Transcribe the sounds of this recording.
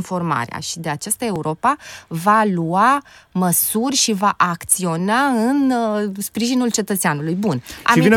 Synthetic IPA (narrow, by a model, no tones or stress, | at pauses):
nfo̞rma̰ɾḛa̰ʃid̪e̞at͡ʃast̪ae̞uɾʔo̞pavaluaməsurʲʃivaʔakt̪sio̞naɨnspɾiʒinult͡ʃe̞t̪ət̪seanulujbuna̰ivin